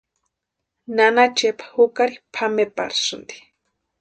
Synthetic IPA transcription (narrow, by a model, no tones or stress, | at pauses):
nanat͡ʃepʰḁhukaɾipʰamepa̰ɾsʊnd̪i̥